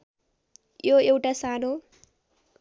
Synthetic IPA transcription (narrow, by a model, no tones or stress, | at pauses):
joewʈasano